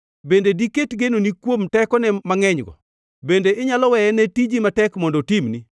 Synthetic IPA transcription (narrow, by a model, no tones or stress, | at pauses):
bendediketɡenonikwomtɛkɔnɛmaŋɛɲɡɔ̰ | bendeʔɪɲalɔwɛjɛnetid͡ʒimatɛkmɔndotimni